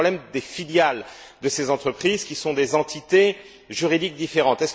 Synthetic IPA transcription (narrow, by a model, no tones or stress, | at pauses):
blɛmd̪efiljal | d̪əsezɑ̃t̪χəpχizkʲisɔ̃d̪ezɑ̃t̪it̪e | ʒyʁid̪ik̚d̪ifeʁɑ̃t̪ɛs